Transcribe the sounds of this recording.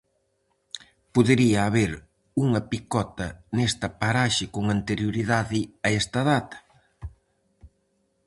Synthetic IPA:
poðeɾiɐːβeɾ | uŋɐpikɔt̪ɐnɛst̪ɐpaɾaʃɪkoŋant̪eɾjoɾiðaðɪɐɛst̪ɐðat̪ɐ̥

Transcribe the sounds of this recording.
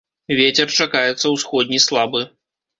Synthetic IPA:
vʲet͡sʲɛrt͡ʂakajɛt̪sːɐwsxɔd̪̚ʲnʲislˠabɨ

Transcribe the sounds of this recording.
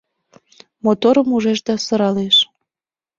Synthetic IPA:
mot̪oɾəmuʒeʃd̪ɑsɤ̆ɾɑleʃ

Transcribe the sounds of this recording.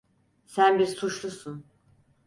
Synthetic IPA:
sænbiɾsut͡ʃlˠusun

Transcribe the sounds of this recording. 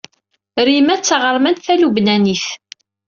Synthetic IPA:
ɾimæt͡sːəʁəɾmænθælubnæniθ

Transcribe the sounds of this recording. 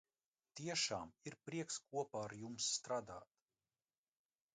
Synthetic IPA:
t̪iɛʃaːmiɾpɾiɛkskuɔpaːɾjumsːt̪ɾaːd̪aːt̪

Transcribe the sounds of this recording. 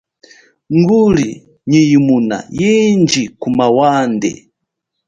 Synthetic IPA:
ŋɡuli | ɲijimuna̰jind͡ʒikumawandɛ̰

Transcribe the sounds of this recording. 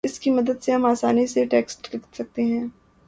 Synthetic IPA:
ɪskimɐd̪əd̪seɦɐmaːsaːniseʈeːksʈlɪkt̪sɐk̚t̪eɦɛ̃ː

